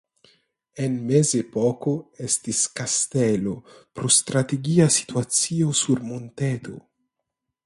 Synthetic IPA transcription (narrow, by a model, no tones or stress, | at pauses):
enmezepokoest̪iskast̪elopɾost̪ɾat̪eɡiasi̥t̪uat͡siosuɾmont̪et̪ʰo̰